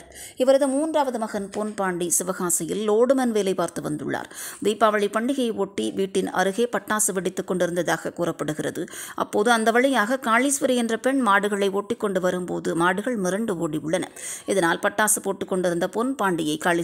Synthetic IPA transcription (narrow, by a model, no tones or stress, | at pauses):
ɪʋɐɾɐðɯmuːndraːʋɐðɯmɐɣɐnponpaːɳɖisɪʋɐɣaːsɐjɪlːoːɽɯmɐnʋeːlɐɪpaːɾt̪ɯʋɐnd̪ɯ̰ɭːa̰ːɾd̪iːpːaːʋɐɭipɐɳɖɪɣɐjoːʈːiʋiːʈːɪnɐ̰ɾɯɣeːpɐʈːaːsɯʋɪɽɪt̪ːɯkːɔɳɖɪɾɯnd̪ɐðaːɣɐkuːrɐpːɐɽɯɣɪrɐðɯʔɐ̰pːoːðɯɐnd̪ɐʋɐɭɐjaːɣɐkaːɭisʋɐɾɐɛndrɐpɛɳmaːɽɯɣɐɭɐɪoːʈːɪkːɔɳɖɯʋɐɾɯmpoːðɯmaːɽɯɣɐɭmɪɾɐɳɖɯoːɽiʊɭːɐnɐ̰ɪðɐnaːlpɐʈːaːsɯpoːʈːɯkːɔɳɖɪɾɯnd̪ɐpoːnpaːɳɖɪjɐɪkaːɭi